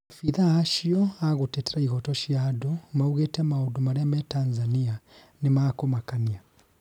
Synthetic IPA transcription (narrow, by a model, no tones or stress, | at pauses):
afiðaaʃiɔaɣutɛtɛɾaiɣɔtɔʃiadɔmauɣɛtamaudumaɾɛmɛtanzania | nimaːkɔmakania